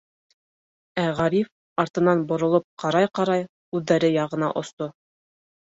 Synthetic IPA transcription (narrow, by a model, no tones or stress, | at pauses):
æʁɑɾif | ɑɾt̪ɤ̆nɑnbŏɾŏlˠop̚qɑɾɑjqɑɾɑj | ʉðːæɾɘjɑʁɤ̆nɑ̰ʔŏst̪o